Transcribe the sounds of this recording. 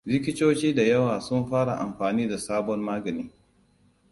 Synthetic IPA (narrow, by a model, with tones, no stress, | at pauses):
lɪ˦kʲɪ˦t͡ʃoː˦t͡ʃiː˦da˨jɐ˦waː˨sʊ˦mɸaː˦ɽa˨ʔa˨mɸaː˨niː˦da˨saː˦bɔ˦mmaː˦ɡɐ˨niː˦